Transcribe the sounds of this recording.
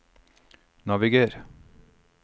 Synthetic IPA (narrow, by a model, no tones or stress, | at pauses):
nɑʋɪɡeːɾ